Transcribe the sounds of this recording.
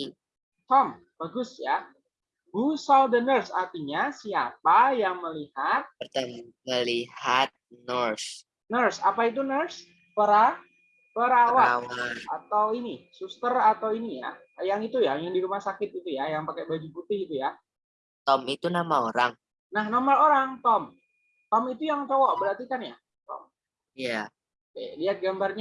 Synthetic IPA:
tam | b̥aɡʊsja | ɡusaldənərsa̰rt̪iɲasiapajaŋməlihat̪̚pərt̪amməlihat̪̚nərs | nərsapait̪̬unərs | pəɾa | pəɾawawaa̰t̪awinisust̪ərat̪awinija̰ | jaŋit̪ujajaŋdiɾumahsakɪt̪̚it̪ujajaŋpakɛbad͡ʒuput̪ɪhit̪uja | t̪ɔmit̪unamaoɾaŋ | nahnɔrmaloɾaŋt̪ɔm | t̪ɔmit̪ujaŋt͡ʃowɔʔbəɾart̪ikanja | t̪ɔ̰m | ija | kɛ̰diat̪̚ɡambarɲa

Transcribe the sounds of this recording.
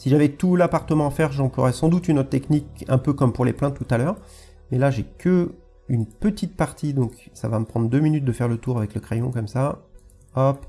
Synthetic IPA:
siʒavɛt̪ulapaʁt̪əmɑ̃afɛʁʒɑ̃plwa̰ʁɛsɑ̃d̪ut̪ynɔt̪t̪ɛknikɛ̃pøkɔmpuʁleplɛ̃t̪ːut̪alœːʁ | mɛlaʒekʰə | ynpət̪it̪̚paʁt̪id̪ɔ̃ksavaməpχɑ̃d̪ʁd̪øminyt̪̚d̪əfɛʁlət̪uʁavɛkləkχejɔ̃kɔmsa | ɔp

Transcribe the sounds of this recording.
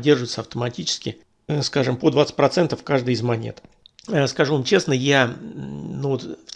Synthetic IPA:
dʲːerʐʊvɪt̪səɐft̪əmɐtʲit͡ɕɪ̥skʲɪ | skaʐɨmpod̪vat̪sɨ̥tʲpɾɐt̪sɛnt̪əfkaʐd̪ɨjɪzmɐnʲḛt̪ | əskɐʐuvamt͡ɕesnəja | nuvot̪f

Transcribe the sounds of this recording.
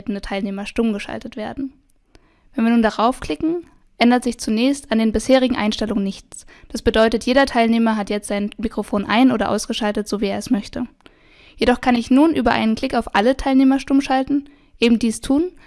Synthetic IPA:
tn̩dətʰaɪlneːmɐʃtʊmɡəʃa̰ltətv̥eːɐdn̩ | vɛnviːɐnuːndaʁaʊfkʰl̥ɪkŋ̩ | ʔɛndɐtz̥ɪçt͡sunɛːçstandeːnbɪsheːʁɪɡŋ̩ʔa̰ɪnʃtɛlʊŋənɪçt͡sd̥asb̥ədɔʏtətʰjeːɾɐtʰaɪlneːmɐɦatjɛt͡stz̥aɪnmikʁ̥ofoːnʔa̰ɪnʔoːɾɐʔa̰ʊsɡ̥əʃaltətz̥oːvieːɐɛsmœçtə | jedɔχkʰanɪçnuːnʔyːbɐʔa̰ɪnənkʰl̥ɪkaʊfʔalətʰaɪlneːmɐʃtʊmʃaltn̩ | ʔeːbm̩diːstʰuːn

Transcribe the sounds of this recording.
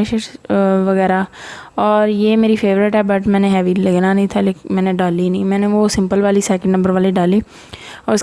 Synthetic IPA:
ʃɪʃʋəɣɛːɾaɔːɾjeːmeːɾipʰeːʋɾɪʈɦɛːbəʈmɛ̃ːneɦɛːʋiləɡnanɦĩːt̪ʰaleːkmɛ̃ːneɖaːlinĩmɛ̃ːneʋosɪ̃mpəlʋaːlisɛːkə̃ɳɖnɐ̃mbəɾʋaːliɖaːliː | ɔːɾɪs

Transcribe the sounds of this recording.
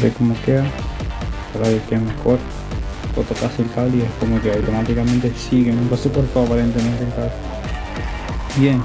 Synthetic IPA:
ɾekomokea | aɾaðekemexoɾ | pot̪okaselkald̪iekomokeawt̪omat̪ikament̪esiɣenũŋkasekoɾt̪oapaɾent̪emẽnt̪elkal | bjen

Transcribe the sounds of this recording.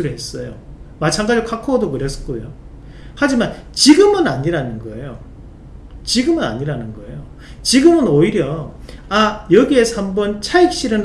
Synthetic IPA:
ɯɾɯɦes͈ʌjomat͡ɕʰaŋɡad͡ʑiokʰakʰodokɯɾe̞sk͈ojo | had͡ʑimant͡ɕiɡɯmɯnaɲiɾanɯnɡʌejo | t͡ɕiɡɯmɯna̰ɲiɾanɯnɡʌḛjo | t͡ɕiɡɯmɯnoiɾjʌajʌɡie̞sʰʌhambʌnt͡ɕʰaik̚ɕ͈iɾɯn

